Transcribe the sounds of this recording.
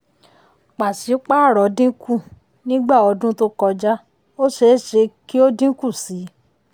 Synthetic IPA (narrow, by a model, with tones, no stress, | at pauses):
k͡pa˨si˨˦k͡pa˦˨ɾɔ˨dĩ˦kʰu˦˨ | nĩ˦ɡ͡ba˦˨ɔ˧dũ˦to˦kɔ˧d͡ʒa˦ | o˦ʃe˧˦ʃe˧ki˦o˦dĩ˦ku˦˨si˨˦